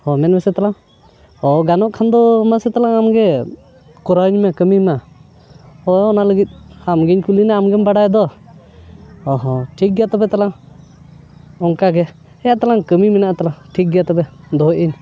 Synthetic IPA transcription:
hɔmɛnmɛsɛt̪alaŋ | ɔɡanɔʔkʰand̪ɔmasɛt̪alaŋamɡɛ | kɔɾaɲmɛkəmima | ɔɔnaləɡit̪̚ˀamɡɛɲkulinaamɡɛmbaɽajd̪ɔ | ɔɦɔ̃ʈʰik̚ɡjat̪ɔbɛt̪alaŋ | ɔŋkaɡɛ | ɛjaʔt̪alaŋkəmimɛnaʔt̪alaŋʈʰik̚ɡjat̪ɔbɛd̪ɔɦʔiɲ

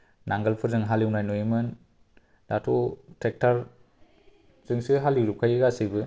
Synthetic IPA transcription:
naŋɡɐlpʰɯɾzɯŋɦaliwnajnoimɯn | datʰotʰek̚tʰaɾ | z̥ɯŋsiɦaliwɾup̚kʰajiɡasibɯ

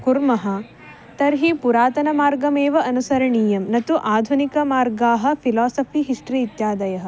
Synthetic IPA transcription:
kuɾmɐɦɐ̆ | t̪ɐɾɦipuɾaːt̪ɐnɐmaːɾɡɐmeːʋɐʔɐnusɐɾɐɳiːjɐmnɐt̪uʔaːd̪ʱunikɐmaːɾɡaːɦɐ̆pʰilaːsɐpʰiɦiʂʈɾiːt̪jaːd̪ɐjɐɦɐ̆

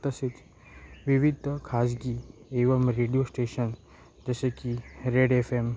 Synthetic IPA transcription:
t̪əset͡s | ʋiʋid̪ʱəkʰas̬ɡieʋəmɾeɽijosʈeɕən | d͡ʒəsekiɾeɽefem

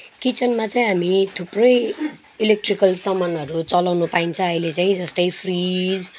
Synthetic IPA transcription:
kit͡sʌnmat͡saĩɦamit̪ʰuprʌj | ilek̚ʈrikʌlsʌmʌnʌɾut͡sʌlawnupaint͡sʰʌ̃ʌjlet͡saĩd͡zʌst̪ʌjpʰrid͡z

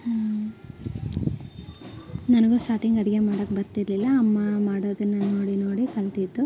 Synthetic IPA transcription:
ha | nɐnɐɡusʈaːʈiŋɡɐɽiɡe̞maːɽoːkːbɐɾt̪iɾlilːɐːmːɐmaːɽoːd̪ɐnːɐnoːɽinoːɽikɐlt̪it̪ːu

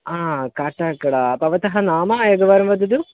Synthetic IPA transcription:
aːkaːʈaːkːɐɽɐpɐʋɐt̪ɐɦɐnaːmɐjɐɡɐʋaːɾɐmʋɐd̪ɐd̪u

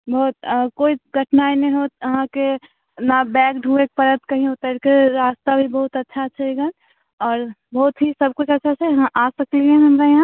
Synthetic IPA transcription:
bɔɦt̪koːiɡʱəʈnaːenɐɦĩɦot̪̚ɐɦãke | nabɛːkɖʱuek̚pɐɾə̃t̪kɐɦĩɦot̪aɾkeɾaːst̪abʱibɐɦʊt̪ɐtːʃʰaətːʃʰaeɡa | ɔːɾbɔɦʊt̪ɦisɐb̚kut͡ʃʰɐtːʃʰat͡ʃʰɛjɐɦãʔaːsəkliɛ̃ɦɐmɾajɐɦã

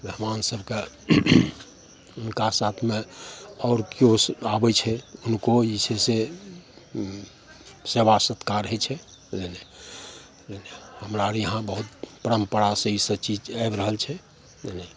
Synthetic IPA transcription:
bʱeɦmansəbke | unkasat̪ʰmẽɔːɾkjosabɛt͡ʃʰɛunkoit͡ʃʰese | sebasət̪kaɾɦɛt͡ʃʰɛ | lene | lenehəmɾaɾjəɦãbəɦut̪̚pəɾəmpəɾasəisət͡ʃid͡ʒaebɾəɦəlt͡ʃʰɛ | lene

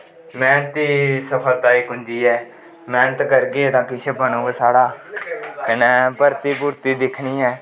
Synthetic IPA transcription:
mɛ̃ːnət̪iːsəpʰəlt̪aːiːkʊ̃nd͡ʒiːɛː | mɛːnət̪kəɾɡeːt̪ãːkɪʃəbaːnõːɡsaːɽaː | kənɛːpəɾt̪iːpuːɾt̪iːd̪ɪkʰɳiːɛː

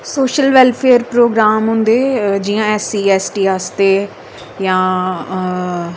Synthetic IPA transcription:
soːʃəlʋɛlpʰeːəɾpɾoːɡɾaːmɦʊ̃nd̪eːd͡ʒijãːɛːsiːɛːsʈiːɦaːst̪eː | jãː

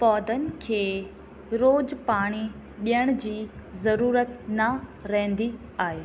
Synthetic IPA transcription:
pɔːd̪ənɪ̆kʰeː | ɾoːd͡ʑpaːɽ̃i | ɗijəɽ̃ʊd͡ʑiːzɐɾuːɾət̪nɐɾɐɦɪ̃nd̪i | aːɦeː

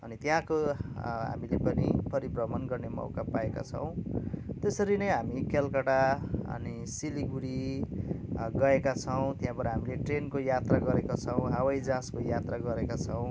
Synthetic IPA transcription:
ʌnit̪jãkoɦa̰milepʌnipʌɾibrʌmʌnɡʌrnemʌ̰wkapaeka̰t͡sʰʌ̰w̃t̪esʌɾinʌjɦamikelkʌʈaʌ̰ni | siliɡuɽi | ɡʌekat͡sʰʌw̃t̪jãbʌɾaɦamileʈrenkojat̪raɡʌɾekot͡sʰʌw̃ɦawʌjd͡zãskojat̪raɡʌɾekat͡sʰʌw̃

